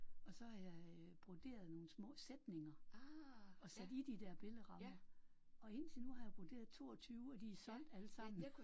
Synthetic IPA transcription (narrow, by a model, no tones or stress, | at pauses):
ɒ̽sɒ̽hɑ̈jɑ̈ɪb̥ʁod̥e̝̰ːɐð̞̩ˠno̝ːn̩smɔ̰̽ːsed̥ne̝ŋɐ | ɒ̽sæd̥id̥id̥æɐ̰b̥e̝ləʁɑ̈mɐ | ɒ̽e̝n̰t͡sʰenuhɑ̈jɑb̥ʁod̥e̝̰ːɐðˠt͡sʰo̝ːɒt͡sʰyːʊɒd̥isɒ̽n̰d̥ælə̥sɑ̈m̰n̩